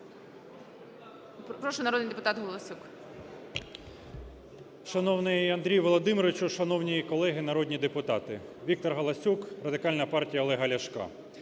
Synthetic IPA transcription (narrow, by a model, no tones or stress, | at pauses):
pɾɔʃɔnɐɾɔd̪nɨjd̪epʊt̪ɑt̪ɦɔlˠɐsʲuk | ʃɐnɔwnɪjɐnd̪ɾʲijʋɔlˠɔd̪ɪmɪɾɔɪt͡ʃʊʃɐnɔwnʲijikɔlˠɛɦɪnɐɾɔdʲnʲid̪epʊt̪ɑt̪ɪʋʲik̚t̪ɔrɦɐlˠɐsʲukrɐd̪ɪkɑlʲnɐpɑrtʲijɐɔlˠɛɦɐlʲɐʃkɑ̰